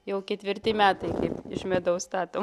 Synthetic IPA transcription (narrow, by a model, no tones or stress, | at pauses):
jɛʊkʲɛt̪ʲʋʲɪɾʲt̪ʲɪmʲæːt̪ɐɪkɐɪpɪʃmʲɛd̪ɐʊst̪ɑːt̪oː